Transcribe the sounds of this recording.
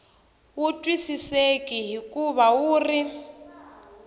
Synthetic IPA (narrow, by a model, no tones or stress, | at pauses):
wutʼwisisekʼiɦikʼuβawuːri